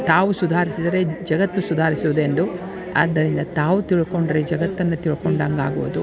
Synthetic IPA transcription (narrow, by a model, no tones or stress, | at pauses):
t̪aːʋusud̪ʱaːɾisid̪ɐɾe̞d͡ʒɐɡɐt̪ːusud̪ʱaːɾisuʋud̪e̞nd̪u | ɐ̰d̪ːɐɾind̪ɐt̪aːʋut̪iɭuko̞ɳɖɐɾed͡ʒɐɡɐt̪ːɐnːut̪iɭukoɳɖaŋɡa̰ːɡuʋud̪u